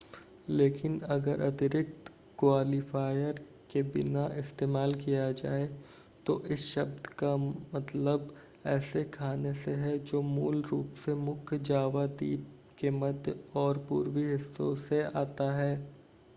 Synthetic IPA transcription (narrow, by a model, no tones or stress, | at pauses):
leːkɪnɐɡəɾʔɐt̪ɪɾɪk̚t̪ | kwaːlifʰaːjəɾ | kebɪnaʔɪst̪eːmaːlkijad͡ʒa̰ːe | t̪oʔɪsʃɐb̚d̪kamɐt̪ləb | ɛːsekʰaːneseɦɛd͡ʒoːmuːlɾuːpsemʊkʰjd͡ʒaːʋad̪ḭːp | keməd̪ɔːɾpṵːɾwiɦɪsːõ̰sea̰ːt̪aɦɛː